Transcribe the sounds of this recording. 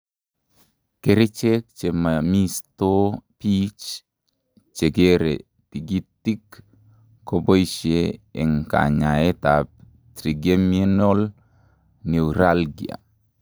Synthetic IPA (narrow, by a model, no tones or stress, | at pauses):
keɾet͡ʃek̚t͡ʃemamistopit͡ʃ | t͡ʃeɡeɾḛ | tiɡitːikː | obojʃeɛŋka̰ɲaetap̚ | tɾiɡemienɔl | newɾalɡḭa̰